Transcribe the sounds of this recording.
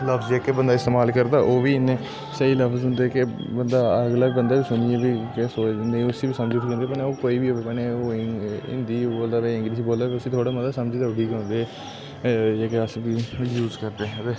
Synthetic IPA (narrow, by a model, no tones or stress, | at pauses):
ləfʰsd͡ʒeːkebənd̪aːɪst̪eːmaːlkəɾd̪aːʔoːʋiːɪnːeː | səiːləfʰzʊnd̪eːkebənd̪aːəɡlaːbənd̪aːbiːsʊnieːbiːkesoːnẽĩʊsiːbiːsəmd͡ʒɪʈːkẽnd̪eːpənːoːkoːiːbiːɦoːʋeːpəneoːɪ̰nd̪iːboːld̪aːʋeɪ̃ŋɡɾiːs̬iːboːld̪aːkeʊsiːt̪ʰoːɽaːməd̪aːsəmd͡ʒiːd̪aːʊɖiːkõːnd̪eː | d͡ʒeːkeəsbiːjuːzkəɾd̪eːd̪eː